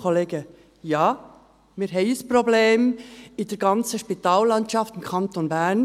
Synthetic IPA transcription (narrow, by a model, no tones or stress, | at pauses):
kʰoleːɡə | jɑː | mɪɾɦɛɪəsprobleːmɪd̥ɛɾɡɑnt͡səʃpit̪ɑːllːɑntʃɑftɪmkʰɑnt̪onbɛɾn